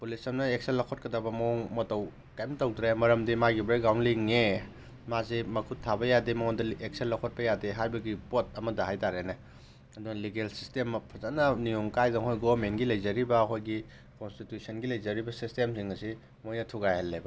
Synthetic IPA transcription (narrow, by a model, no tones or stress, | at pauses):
pulisɐmnɐek̚senlɐkʰot̚kɐdabɐmoŋmotɐw | kajmtɐwdɾemɐɾɐmdimaɡibɐɾeɡawnliŋe | mazimɐkʰutʰːabɐjademɐŋondɐek̚senlːɐkʰot̚pɐjadeɦajbɐɡipot̚ɐmɐdɐɦajtaɾenɐ | ɐdunɐliɡelsistemːpʰɐzanɐnijoŋkajzɐŋhojɡoɐmenɡilɐjzɐɾibɐːkʰojɡi | konstitjusɐnɡilɐjzɐɾibɐsistemsiŋɐsi | mojnɐtʰuɡajhalːebɐ